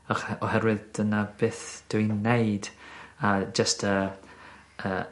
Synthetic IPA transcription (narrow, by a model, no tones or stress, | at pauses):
ɔχɔhɛɾwɪðd̥ənab̥eːθd̥ʊinejdad͡ʒəstʰə | əː